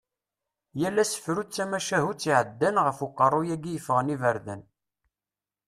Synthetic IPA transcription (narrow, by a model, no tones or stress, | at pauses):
jælːæsə̥fɾut͡sːæmæʃæɦut͡sːiʕəd̪ːənʁəfuqːərˤːujæɡijəfəʁənivəɾðən